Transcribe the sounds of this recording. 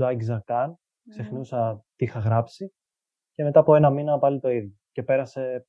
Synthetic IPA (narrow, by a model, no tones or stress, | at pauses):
ɐcizɐkɐn | kse̞xnusɐt̪ixɐɣɾɐpsi | ce̞me̞t̪ɐːpoe̞nɐminɐpɐlit̪o̞iðjoce̞pe̞ɾɐse̞